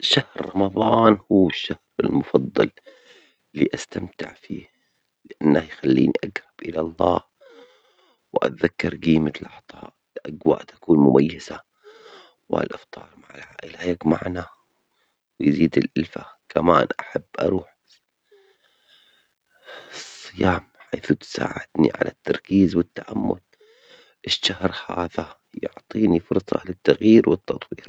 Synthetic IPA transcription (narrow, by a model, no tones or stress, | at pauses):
ʃahɾːˤɑmɑðˤɑːnhuːɪʃːahɾɪlmʊfɑðˤːɑl | ɪlːiːʔast̪amt̪ɪ̰ʕfḭː | lɪʔanːahjxalːḭːnḭʔaɡɾɑb̥ʔɪlalˤːɑːh | wʔa̰t̪ðakːɑɾˤɡiːmalʔɑħt̪ˤɑ̰ːʔɪlʔaɡwa̰ːʔt̪ḁkuːnmʊmʔajːaza | wʔa̰lʔɪft̪ˤɑːɾˤmaʕalʕaːʔɪlajakmaʕna | wjziːd̪ɪlʔɪlfakʰamaːnʔaħabːʔɑɾˤuːħ | sˤːɨjaːmħajːθut̪sa̰ːʕɪd̪nḭʕa̰lʔat̪ːɑɾˤkiːzwɪt̪ːaʕamːʊd̪ | ʔɪʃːahɾhaːða | jʊʕt̪ˤiːnifʊɾsˤɑ̰lɪt̪ːaɣjiːɾwɪt̪ːɑt̪ˤwiːɾ